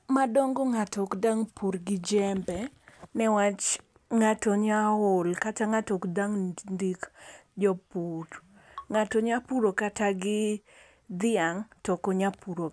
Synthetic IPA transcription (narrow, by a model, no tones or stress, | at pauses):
madɔŋɡɔŋatɔkdaŋpuɾɡɪd͡ʒɛmbɛnɛwat͡ʃ | ŋatɔɲaʊlkataŋatɔkdaŋndik | d͡ʒɔpuɾ | ŋatɔɲapuɾokataɡɪ | d̪ɪaŋtɔkɔɲapuɾo